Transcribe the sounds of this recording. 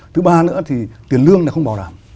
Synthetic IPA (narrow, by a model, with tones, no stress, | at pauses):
t̪ʰɨ˨˦ɓaː˧nɨ̰˧˥ət̪ʰi˨˩t̪wi˨˩ənlɨ˧əŋlaː˧˩xə˧wŋ͡mɓaː˨˩wlaː˨˩m